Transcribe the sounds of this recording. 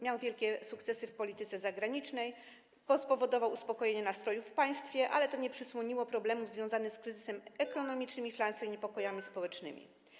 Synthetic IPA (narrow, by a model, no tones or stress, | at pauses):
mʲjawvʲjɛlkʲɛsukt̪sɛsɘfpɔlʲit̪ɘt̪sɛzaɡɾaɲit͡ʂnɛj | pɔspɔvɔd̪ɔvawuspɔkɔjeɲɛnast̪ɾɔjufːpaj̃st̪fʲjɛʔa̰lɛt̪ɔɲɛpʂɘswɔɲiwɔpɾɔblɛmuvzvʲjɔ̃w̃zanɘskɾɘzɘsɛmɛkɔnɔmʲit͡ʂnɘmiflansɔ̃iɲɛpɔkɔjamʲispɔwɛt͡ʂnɘ̰mʲḭ